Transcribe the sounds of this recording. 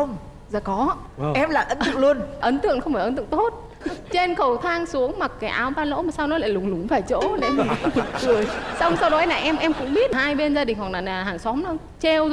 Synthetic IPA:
ə˧wŋ͡m | zaː˧˩kɔ˨˦ | ʔɛ˧mla̰ː˧˨˩jʔə˨˦nɨ̰˧˨əŋlu˧ənʔə˨˦nt̪ɨ̰˧˨əŋxwŋ͡mfaː˧˩ʔə˨˦nt̪ɨ̰˧˨ŋt̪o˦˥t̚ | t͡ɕe˧nxə˧˩wt̪ʰaː˧ŋsu˨˦əŋma˨˩k̚kaː˨˦jʔaː˨˦wɓaː˧lo̰˧˥maː˨˩saː˧wnɔ˨˦la̰ː˧˨jlʊ˨˩ŋ͡mlʊ˨˩ŋ͡mfaː˧˩jt͡ɕo̰˧˥ɗḛ˨˧˦i˨kɨ˨˩əjsa˧wŋ͡msa˧wɗɔ˨˦jna̰ː˨˩ʔɛ˧mʔɛ˧mkʊ̰˧˥ŋ͡mɓi˦˥ət̚haː˧jɓe˧nzaː˧ɗï˨˩ŋ̟ɦɔ˨˩naː˨˩naː˨˩ɦaː˨˩ŋsɔ˨˦mln | t͡ɕe˧w

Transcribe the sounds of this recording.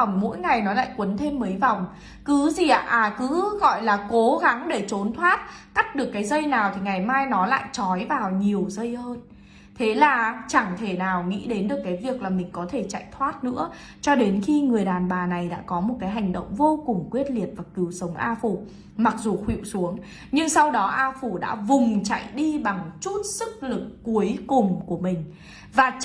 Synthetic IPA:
wŋ͡mmo̰˧˥jŋa˨˩jnɔ˨˦la̰ː˧˨jkwə˨˦nt̪ʰe˧mːəː˨˦jva˨˩wŋ͡m | kɨ˨˦zi˨˩ʔa̰ː˧˨ʔaː˨˩kɨ˨˦ɣɔ̰˧˨jlaː˨˩ko˨˦ɣa˨˦ŋɗe˧˩t͡ɕo˨˦nt̪ʰwaː˦˥t̚ka˦˥k̚ɗɨ˨˩əkːaː˨˦jzə˧jnaː˨˩wt̪ʰi˨˩ŋa˨˩jmaː˧jnɔ˨˦la̰ː˧˨jt͡ɕɔ˨˦jvaː˨˩wɲi˨˩əwzə˧jhəː˧n | t̪ʰe˨˦laː˨˩t͡ɕa˧˩ŋt̪ʰe˧˩naː˨˩wŋḭ˧˥ɗe˨˦nɗɨ˨˩əkːaː˨˦jvi˨˩ək̚laː˨˩mï˨˩ŋ̟kɔ˨˦t̪ʰe˧˩t͡ɕa̰ː˧˨jt̪ʰwaː˦˥t̚nɨ̰˧˥ə | t͡ɕɔ˧ɗe˨˦nxi˧ŋɨ˨˩əjɗaː˨˩nɓaː˨˩na˨˩jɗa̰ː˧˥kɔ˨˦mo˨˩t̚kaː˨˦jɦa˨˩jŋ̟ɗə̰˧˨wŋ͡mvo˧kʊ˨˩ŋ͡mkwi˦˥ət̚li˨˩ət̚vaː˨˩kɨ˨˦wsə˨˦wŋ͡mʔaː˧fu˧˩ | ma˨˩k̚zu˨˩xwḭ˧˨wsu˨˦əŋ | ɲɨ˧ŋsa˧wɗɔ˨˦ʔaː˧fu˧˩ɗa̰ː˧˥vʊ˨˩ŋ͡mt͡ɕa̰˧˨jɗi˧ɓa˨˩ŋt͡ɕu˦˥t̚sɨ˦˥k̚lɨ˨˩kːu˨˦əjkʊ˨˩ŋ͡mku˧˩əmï˨˩ŋ̟ | vaː˨˩

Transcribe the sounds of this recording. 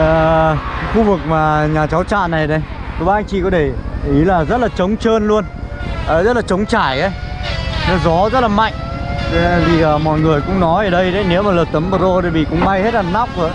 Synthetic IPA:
əː˨˩˦xu˧vɨ˨˩k̚maː˨˩ɲaː˨˩t͡ɕa˨˦wt͡ɕa̰ː˧˨na˨˩jɗə˧˦j | t̪ʰo˨˧˩ɓa˧jŋ̟t͡ɕḭ˧˨kɔ˨˦ɗe˧˩ʔi˨˦laː˨˩zə˦˥t̚laː˨˩t͡ɕə˨˦wŋ͡mt͡ɕəː˧nlu˧ənʔəː˨˩zə˦˥t̚laː˨˩t͡ɕə˨˦wŋ͡mt͡ɕaː˧˩jʔə˨˦jnɔ˨˦zɔ˨˦zə˦˥t̚laː˨˩ma̰˧˨jŋ̟˨˧˨ | t̪i˨˩əː˨˩mɔ̰˧˨jŋɨ˨˩əjkʊ̰˧˥ŋ͡mnɔ˨˦jʔəː˧˩ɗə˧jɗə˨˦jne˨˦wmaː˨˩ləː˨˩t̪ə˨˦mɓəː˨˩zo˧ɗə˨˩jɓḭ˧˨kʊ̰˧˥ŋ͡mma˧jhe˦˥t̚laː˨˩na˦˥wk͡p̚ə̰˧˨˦

